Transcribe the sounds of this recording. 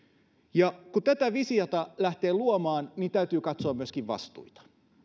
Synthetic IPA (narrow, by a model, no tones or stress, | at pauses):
jɑkut̪æt̪æʋisijɑt̪ɑlæht̪eːluomɑːnnint̪æyt̪yːkɑt̪soɑmyøskiʋʋɑ̰st̪ṵit̪ɑ̥